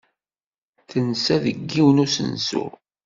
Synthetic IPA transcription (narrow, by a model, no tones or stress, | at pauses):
θənsæðəɡːiwənusə̰nsṵ